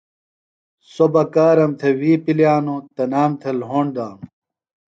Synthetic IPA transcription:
sobɐkaːɾɐmt̪ʰewiːpiljaːnot̪ɐnaːmt̪ʰelɦoːɳɖaːnu

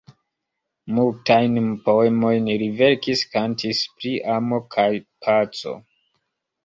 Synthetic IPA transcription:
multajnpo̞emo̞jnɾive̞ɾkiskantʰispɾiʔamo̞kʰajpʰat͡so̰

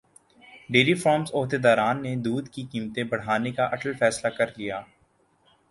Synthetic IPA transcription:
ɖeːɾifɾɔːmsoːɦd̪ed̪aːɾaːnːed̪uːd̪kikiːmt̪ẽbɐɽ̤aːnekaʔɐʈəlfɛːslakɐɾlijaː

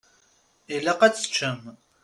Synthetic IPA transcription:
eɮɐqɐt͡sʰʼt͡ʃʰɐm

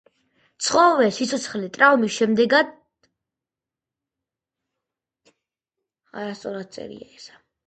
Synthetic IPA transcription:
t̪sʰχɔvɛsit̪sʰɔt̪sʰχlit̪ʼɾaumisʃɛmd̪ɛɡad̪ | a̰ɾast̪sʼɔɾad̪̚t̪sʼɛ̰ɾḭaɛsḁ

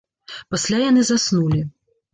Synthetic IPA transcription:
pasʲlʲajan̪ɨzasnulʲi

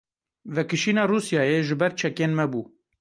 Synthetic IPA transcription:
vɛkɨʃiːnɑːruːsjɑːjeʒɨbɛɾt͡ʃʰɛkeːnmɛbuː

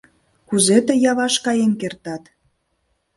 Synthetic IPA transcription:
kuzet̪ĕjɑβɑʃkɑjemkert̪ɑt̪

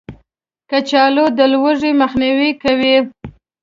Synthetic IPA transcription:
kat͡ʃɑlod̪əlwəʐiməxniwikawi

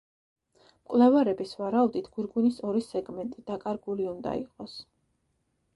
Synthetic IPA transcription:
mkʼlɛvaɾɛbisvaɾaud̪it̪ʰɡ̥uɾɡunisɔɾisɛɡmɛnt̪ʼid̪̥akʼaɾɡuliund̪a̰ḭqʼɔs

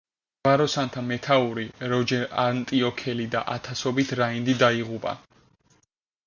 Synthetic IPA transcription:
ɡvaɾɔsant̪ʰamɛt̪ʰauɾiɾɔd͡ʒɛɾant̪ʼiɔkʰɛlid̪a̰ʔat̪ʰasɔbit̪ʰɾaind̪id̪aiʁupʼa̰

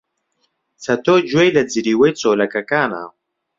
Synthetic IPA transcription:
t͡sɐt̪oːd͡ʒwejlɐd͡ziɾiːwejt͡soːlɐkɐkaːna̰ː

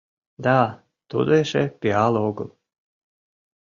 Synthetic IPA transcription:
d̪a | t̪ud̪ɛʃɛpʲialˠɔɡu

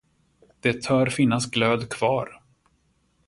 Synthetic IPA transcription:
d̪̥ɛt̪ʰœːɾfɪnːasɡløːd̪kʰv̥ɑːɾ

